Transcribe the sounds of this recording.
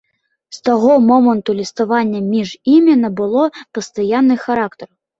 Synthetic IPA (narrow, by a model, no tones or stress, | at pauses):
st̪aɣɔmɔmɐnt̪ulʲist̪avanʲːɐmʲiʐimʲinɐbɨlˠɔpɐst̪ajanːɨxaɾakt̪ɐɾ